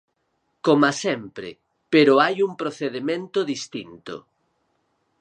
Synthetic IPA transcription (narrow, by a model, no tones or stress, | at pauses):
komasɛmpɾɪ̰ | peɾʊajuŋpɾoθeðemẽnt̪ʊðist̪int̪o̰